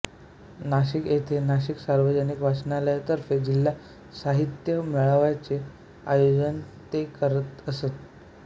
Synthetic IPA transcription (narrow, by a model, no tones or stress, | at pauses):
naɕiket̪ʰenaɕ̬iksaɾʋəd͡ʑənikʋasnaljat̪əɾfed͡ʑilːa | saɦit̪jəmiɭaʋjat͡se | ajod͡zən | t̪ekəɾət̪əset̪̚